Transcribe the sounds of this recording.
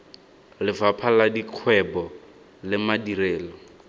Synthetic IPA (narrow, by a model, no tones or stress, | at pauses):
lɪvapʰaladikʰwɛbɔ | lɪmadireːlɔ